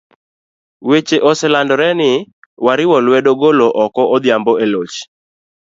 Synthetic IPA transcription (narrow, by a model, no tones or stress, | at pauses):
wet͡ʃeʔɔsɛlandɔɾɛnɪ | waɾɪwɔlwɛdoɡoloʔɔkɔʔɔd̪jambɔelot͡ʃ